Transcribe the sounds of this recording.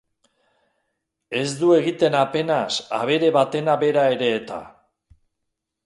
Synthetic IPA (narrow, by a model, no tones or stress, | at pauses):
e̞zd̪ue̞ɣ̞it̪e̞nape̞nasa̰βe̞ɾe̞βat̪e̞naβe̞ɾae̞ɾe̞ːt̪a̰